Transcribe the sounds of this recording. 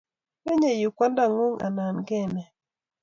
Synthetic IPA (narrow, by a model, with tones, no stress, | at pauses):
e˦ɲe˨ju˨kwa˦nda˦˨ŋu˦ŋʔa̰˨na˨nɡɛ˦˨mɛ˨